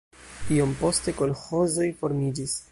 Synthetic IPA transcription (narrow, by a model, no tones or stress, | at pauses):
tio̞mpo̞ste̞ko̞lxo̞zo̞jfo̞ɾmid͡ʒis